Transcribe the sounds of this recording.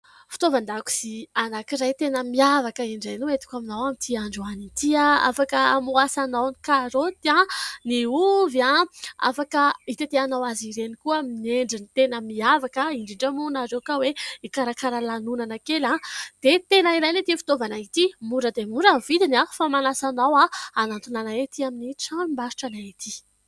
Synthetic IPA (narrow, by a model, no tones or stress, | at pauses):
fi̥t̪ovand̪aku̥zianakiɾajt̪enəmiavakəiɳɖ͡ʐajnuet̪i̥kʲaminawamit̪ʰiaɳɖ͡ʐuanit̪iaa̰fakəamuasanawnikaɾot̪iãniuviaa̰fakəit̪it̪eanawaziɾenikuəmineɳɖ͡ʐinit̪enəmiavakaiɳɖ͡ʐiɳɖ͡ʐamunaɾewkaweikaɾakaɾalanunanəkelãd̪̥et̪enaiɾajnet̪ifi̥t̪ovanait̪imuɖ͡ʐəd̪emuɾəvid̪inafamanasanawaanant̪unanaet̪iaminiʈ͡ʂaimbaʃʈ͡ʂanaet̪ʰi